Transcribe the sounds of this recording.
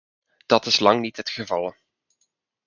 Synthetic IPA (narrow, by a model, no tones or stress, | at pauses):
d̥ɑtɪslɑŋnitɦətχəvɑlˠ